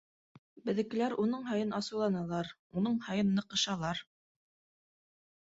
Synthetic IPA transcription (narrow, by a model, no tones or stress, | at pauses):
bɘ̆ðɘ̆kɘ̆læɾunɤɴɦɑjɤnɑsɤ̆wlˠɑnɑlˠɑɾ | unɤɴhɑjɤnːɤ̆qɤ̆ʃɑlˠɑɾ